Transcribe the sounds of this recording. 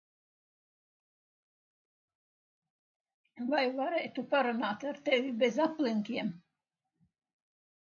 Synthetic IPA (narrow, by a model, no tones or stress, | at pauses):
vajvaɾɛjt̪upaɾanaːt̪aɾt̪ɛvʲibɛzapliŋʲkʲiɛm